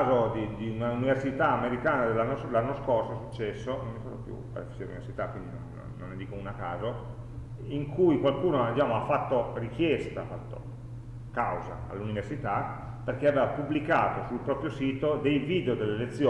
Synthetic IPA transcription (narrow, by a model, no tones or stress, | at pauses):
zod̪id̪iunauniversit̪aːmeɾikaːnad̪elːanːoslanːoskorsosut͡ʃːɛsːonõmːifa̰ːd̪opjṵa̰ɾḛfi̥t͡ʃiɾelunivḛrsit̪akwind̪ino̰nːo̰ːo̰nːed̪iːkounakaːzo | iŋkʰujkwalkuːnoad̪it͡ʃaːmoafːat̪ːorikjɛst̪aafat̪ːo̰ | kawza̰a̰lːuniversit̪a | perk̟eaveːvapubːlikaːt̪osulpɾɔːpɾjosiːt̪od̪ejviːd̪eod̪elːelet̪sːjoː